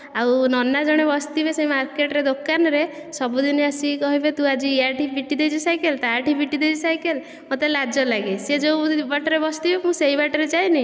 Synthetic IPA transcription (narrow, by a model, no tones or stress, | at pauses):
awnɔnad͡ʒɔɽ̃ebɔst̪ibesejmaɾkeʈɔɾed̪okːanɔɾesɔbud̪ineasikɔɦibet̪ũad͡ʒiaɾʈibʱiʈid̪et͡ʃʰisajkelt̪aʈibiʈid̪ed͡ʒisajkel | mot̪elad͡ʒɔlaɡesed͡ʒowbaʈɔɾebɔst̪ibemũsejbaʈɔɾet͡ʃajni